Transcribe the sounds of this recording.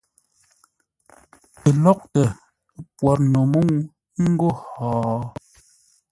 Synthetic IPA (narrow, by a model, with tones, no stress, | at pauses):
ə˨lɔ˦k̚tə˨˦ | pwɔ˨ɾno˨mu˦ŋ˦ | ŋ̩˦ɡo˦˨hɔː˨˦